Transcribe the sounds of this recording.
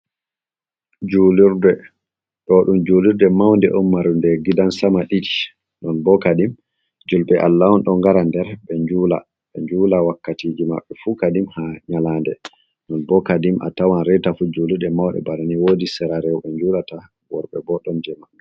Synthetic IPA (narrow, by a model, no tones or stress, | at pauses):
d͡ʒuliɾdɛ | ɗɔɗumd͡ʒuliɾdɛmawndɛ̰ʔɔmːaɾundɛɡidansamaɗid͡ʒi̥ | nɔnbɔkadim | d͡ʒulɓɛʔalːawɔnɗɔŋɡaɾandɛɾɓɛɲd͡ʒuːla̰ | ɓɛɲd͡ʒulawakːatid͡ʒima̰ɓːɛfukadimhaɲalandɛ | nɔnbɔkadimʔa̰tawanɾɛtafud͡ʒuliɾdɛmawɗɛ̰bananiwodisɛɾaɾɛwɓɛɲd͡ʒuːlata | wɔɾɓɛ̰bɔɗɔnd͡ʒɛma